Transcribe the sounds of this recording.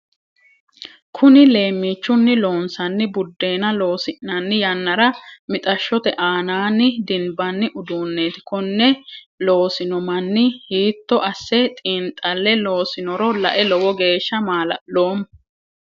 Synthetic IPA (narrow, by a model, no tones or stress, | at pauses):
kʰʊnɪle̞ːmːiːt͡ʃːʊnːɪlo̞ːnsɐnːɪbʊd̪ːe̞ːnɐlo̞ːsɪʔnɐnːɪjɐnːɐɾɐmɪt̪ʼɐʃːɔt̪ɛʔaːnaːnːɪd̪ɪnbɐnːɪʔʊd̪uːnːeːt̪ɪ̥kɔnːɛ | lo̞ːsɪnɔmɐnːɪhiːt̪ːɔʔɐsːɛt̪ʼiːnt̪ʼːɐlːɛlo̞ːsɪnɔɾɔlɐ̰ʔɛlɔwɔɡe̞ːʃːɐmaːlɐ̰lo̞ːm